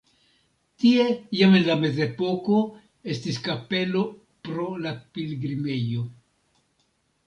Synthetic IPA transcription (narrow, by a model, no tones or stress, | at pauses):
tie̞jamenlame̞ze̞po̞ko̞ | e̞stiskape̞lo̞ | pɾo̞lapilɡɾime̞jo̞